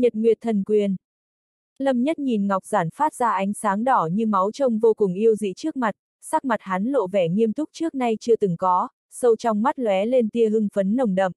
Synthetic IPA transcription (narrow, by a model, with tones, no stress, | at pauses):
ɲə˨˩t̚ŋwi˨˩ət̚t̪ʰə˨˩nkwi˧˩ən | lə˧˩mɲə˦˥t̚ɲi˨˩nŋa˨˩wk͡p̚z̥aː˧˩nfaː˦˥t̚z̥aː˧ʔa˨˦jŋ̟saː˨˦ŋɗɔ˧˩ɲɨ˧ma˨˦wt͡ɕə˧wŋ͡mvo˧kʊ˨˩ŋʔi˧əwzḭ˧˨t͡ɕɨ˦˥ək̚ma˨˩t̚ | saː˦˥k̚ma˨˩t̚ha˨˦nlo̰˧˨vɛ˧˩ŋi˧əmt̪ʰʊ˦˥k͡p̚t͡ɕɨ˦˥ək̚na˧jt͡ɕɨ˧ət̪ɨ˨˦ŋkɔ˨˦ | sə˧wt͡ɕɔ˧wŋ͡mma˦˥t̚lwɛ˨˦le˧nt̪i˧əɦɨ˧ŋfə˨˦nːə˨˧˩wŋ͡mɗə̰˧˨mʔ